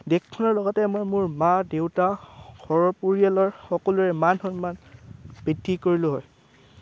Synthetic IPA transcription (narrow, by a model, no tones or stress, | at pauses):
dekʰkʰːɔnɔɹlɔɡɔtɛmojmuɹmadewtaɡʱɔɹɔpuɹijalɔɹxɔkɔluɹɛmanxɔnmanb̥ɹidʱːikoɹilʊɦɔj